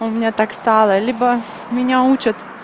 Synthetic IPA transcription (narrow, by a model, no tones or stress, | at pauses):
ʊmʲɪnʲat̪akst̪ɑlˠəlʲibə | mʲɪnʲaut͡ɕɪt̪